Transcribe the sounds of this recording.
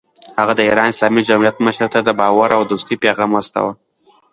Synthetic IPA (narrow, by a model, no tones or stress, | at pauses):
haɣad̪əiɾɑnɪsɑmid͡ʒamijat̪̚maʃaɾt̪ad̪əbɑwaɾʔawd̪ust̪ipeɣɑmast̪a̰wə